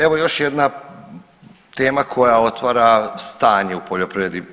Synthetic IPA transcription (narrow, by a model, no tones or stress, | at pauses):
e̞ʋo̞jo̞ʃje̞d̪na | t̪e̞ːmakʰo̞jao̞t̪ʋaːɾast̪aːɲeupoʎo̞pɾed̪i